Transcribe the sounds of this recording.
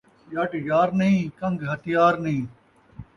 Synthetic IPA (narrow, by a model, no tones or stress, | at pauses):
jɐʈjaːɾnɐɦĩːkɐ̃ŋɡɦɐt̪ɪjaːɾnɐɦĩː